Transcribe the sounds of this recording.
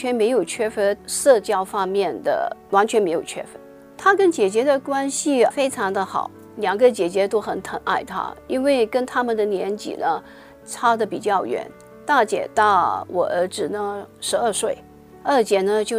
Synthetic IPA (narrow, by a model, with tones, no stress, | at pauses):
t͡ɕʰɥɛ˧˥nme˧˥ɪjo˨˩ʊt͡ɕʰɥɛ˥fə˧˥ʂɤ˥˧t͡ɕjɑ˥˧ʊfɑ˥ŋmjɛ˥˩nd̪ə̰˩wa˧˥nt͡ɕʰɥɛ˧nme˧˥ɪjo˨˩ʊt͡ɕʰɥɛ̰˥fə˧˥ | t̪ʰa˥kə˥nt͡ɕjɛ˨˩t͡ɕjɛ˧˥d̪ə˨kwa˥nɕi˨˧fe˥ɪʈ͡ʂʰɑ˧˥ŋd̪ə˧xɑ̰˨˩˦ʊ | ljɑ˨˩ŋɡə˧˦t͡ɕjɛ˨˩t͡ɕjɛ˧˥t̪o˥ʊxə˨˩nt̪ʰə˧˥nʔa̰˥˩ɪt̪ʰa̰˥i˥nwe˥˩ɪkə˥nt̪ʰa˥mə˨nd̪ə˨njɛ˧˥nt͡ɕḭ˨˩nə˦ | ʈ͡ʂʰa˥d̪ə˨pi˨˩t͡ɕjɑ˥˩ʊɥɛ̰˧˥n | t̪a˥˩t͡ɕjɛ̰˨˩t̪a˥˩wʔɔ̰˨˩ʔə̰˞˧˥ʈ͡ʂɻ̩˨˩nə˧˥ʂɻ̩˧˥ə˞˥˧ʂwe˥˩ɪ | ə˞˥˩t͡ɕjɛ˨˩nə˧t͡ɕjo˥˩